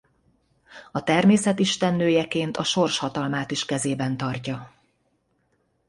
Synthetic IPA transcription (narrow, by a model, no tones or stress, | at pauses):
ɒt̪ɛrmeːsɛt̪iʃt̪ɛnːøːjɛkeːnt̪ɒʃo̞rʃhɒt̪ɒlmaːt̪iʃkɛzeːbɛnt̪ɒrcɒ